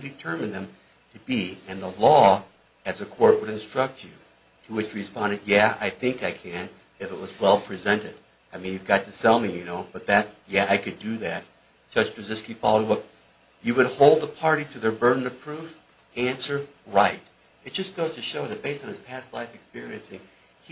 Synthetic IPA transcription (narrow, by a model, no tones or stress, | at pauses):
dɨtʰɜ˞mɨ̃nðɨ̃m | tʰɨbiɨ̃nðəlɔ | ɨzɨkʰɔɹt̚wəɾɨ̃nstɹ̥ʌk̚t͡ʃʉ | ɾəwɨt͡ʃɹɨspɑ̃ndɨ̃ndjæa̰ɪθɪ̃ŋkaɪkʰɨ̃n | ɨfɨt̚wʌzwɛlˠpʰɹ̥izɛ̃ntɨɾ | aɪmĩnjʉvɡɑtʰɨsɛlˠmijɨnoʊb̥ʌt̪̚ðætsjæaɪkɨdɨðæt̚ | d̥ʒ̥ʌ̥ʒ̥pʰɹ̥ɨzɪskifɔlˠod̚wʌt̚ | jɨwɨd̚hoʊlˠd̪̚ðəpʰɑɹɾiɾɨðə˞bɜ˞dⁿn̩ɨ̥pʰɹ̥uf | æ̃nsə˞ | ɹaɪt | ɨt̚d̥ʒ̥ʌsɡ̥oʊz̥tʰɨʃoʊðɨt̚b̥eɪstn̩ɨz̥pʰæstˡla̰ɪfɨkspɪɹiɨ̃nsɪ̃ŋ